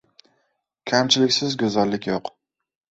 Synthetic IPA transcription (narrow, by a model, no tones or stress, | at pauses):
kʲʰamt͡ʃʰɪlɪkʲsɪzɡʲɵzalːɪkʲjoq